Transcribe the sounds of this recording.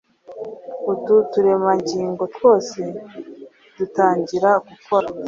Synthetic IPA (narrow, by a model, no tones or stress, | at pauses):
ututuɾemaɲɟiːŋɡo̞two̞ːse̞ | dutaːɲɟiɾaɡukoɾa